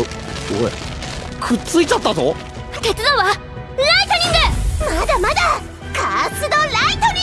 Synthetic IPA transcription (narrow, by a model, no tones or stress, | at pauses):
doe | kʰɯ̟t͡sɨit͡ɕat̪ːazo | t̪e̞t͡sɨd̪oβa | ɾait̪oɲĩnd̪emad̪amad̪a | kasɨd̪olait̪oɲi